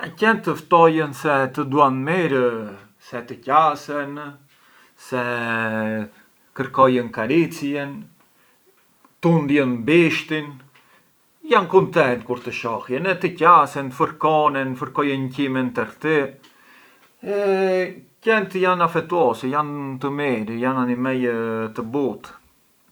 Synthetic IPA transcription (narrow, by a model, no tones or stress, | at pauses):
acɛnt̪əft̪ɔjənsɛt̪əd̪uanmiɾə | sɛt̪əcasɛn | sɛ | kəɾkɔjənkaɾit͡sjɛn | t̪und̪jənbiʃt̪in | jankunt̪ɛnt̪̚kuɾt̪əʃɔhjɛnɛt̪əcasɛnfəɾkɔnɛnfəɾkɔjəncimɛnt̪əɾt̪i | ɛ | cɛnt̪janafɛt̪uɔsɛjant̪əmiɾijananimɛjt̪əbut̪